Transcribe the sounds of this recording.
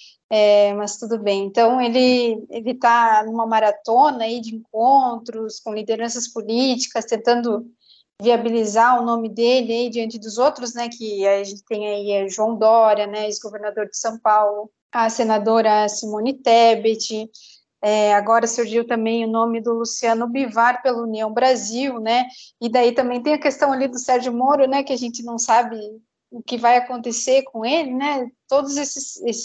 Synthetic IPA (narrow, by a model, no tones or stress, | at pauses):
ɛmɐst̪ud̪ʊbẽj̃ẽnt̪ɐ̃w̃elɪelɪt̪anũmɐmaɾat̪õnɐid͡ʒɪẽŋk̚õnt̪ɾʊskõlid̪eɾɐ̃sɐspolit͡ʃi̥kɐst̪ẽnt̪ɐ̃nd̪ʊ | viabilizaɾʊnõmɪd̪elɪaid͡ʒɪɐ̃nt͡ʃɪd̪ʊzowt̪ɾʊznɛkɪaʒẽnt͡ʃɪ̥t̪ẽj̃aiɛʒuɐ̃w̃d̪ɔɾɐnɛesɡoveɾnad̪oɾd͡ʒɪsɐ̃w̃pawlʊ | asenad̪oɾɐsimõnɪt̪ɛbet͡ʃɪ | ɛaɡɔɾɐsʊɾʒiwt̪ɐ̃mbẽj̃ʊnõmɪd̪ʊlusiɐ̃nʊbivaɾpelɐuniɐ̃w̃bɾaziwnɛɪd̪ait̪ɐ̃mbẽj̃t̪ẽj̃ɐkest̪ɐ̃w̃alid̪ʊsɛɾʒʊmoɾʊnɛkɪaʒẽnt͡ʃ̪ɪnɐ̃w̃sabɪ | ʊkɪvajakõnt̪eseɾkõelɪnɛt̪od̪ʊzesɪsesɪ̥